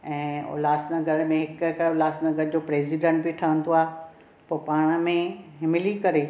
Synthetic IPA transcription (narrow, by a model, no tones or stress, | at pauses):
ɛ̃ːo̰laːsnəɡɐɽmẽɦɪkʊlaːsnəɡəɽɪd͡ʑoːpɾeːziɖẽɳʈ̚bɪʈʰɐʋə̃nd̪oaːɦ | poːpaːɽ̃mẽɦɪmɪlikɐɾe